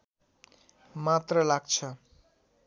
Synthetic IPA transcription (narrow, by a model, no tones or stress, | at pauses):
mat̪rʌlaɡt͡sʰʌ